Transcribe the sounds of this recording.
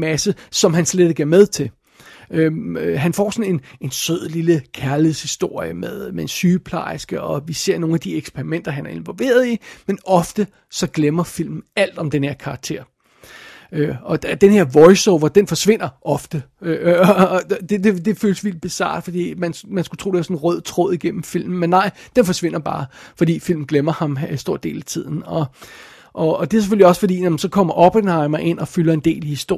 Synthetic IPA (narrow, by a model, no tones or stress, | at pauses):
mæsəsɒ̽mɦænsled̥e̝ɡ̥ɐmeð̞ˠt͡sʰe̝l | øɦænfɒ̰sɒ̽ne̝ne̝nsøð̰ˠliləkʰæɐliheðˠshisd̥o̝ɐ̰jəmeðˠmeensyːpʰlɑ̈ɪsɡ̥əɒ̽ʋise̝ɐ̰no̝ːn̩æd̥ieɡ̥spʰeʁimen̰d̥ɐɦænæɐe̝nʋɒ̽lʋe̝̰ːɐð̞ˠimenɒ̽fd̥ə | sɒ̽ɡ̥lemɐfil̰mn̩æl̰d̥ɒ̽md̥enhe̝ɐ̰kʰɑ̈ɡ̥̚t͡sʰe̝̰ːɐ̰ | øɒ̥̽æd̥enhe̝ɐ̰ʋɒɪsɔʊʋɒd̥enfɒ̽sʋe̝n̰ɐʔɒ̽fd̥ə | ø | d̥e̝d̥e̝d̥e̝føːləsʋild̥̚b̥esɑ̰̈ːd̥fɒ̽d̥ḭːmænmænsɡ̥u̥t͡sʰʁo̰ːdeæɐsɔ̽n̩ʁœð̰ˠt͡sʰʁɔ̽ð̰ˠiɡ̥en̰m̩fil̰m̩ːenːɑ̈ɪ̰d̥enfɒ̽sʋe̝n̰ɐb̥ɑ̈ːfɒ̽d̥ḭːfil̰mn̩ɡ̥lemɐhɑ̈msd̥o̝ɐ̰d̥e̝̰ːlæt͡sʰið̰ˠn̩ɒ̽ | ʔɒ̽ːd̥e̝æɐse̥føliɒ̽sfɒ̽d̥ḭːnæmn̩sɒ̽kʰɒ̽m̰ɐʔob̥ʰenhɑ̈ɪmɑɪe̝n̰ɒ̽fylɐe̝nd̥e̝̰ːlihisd̥o̝̰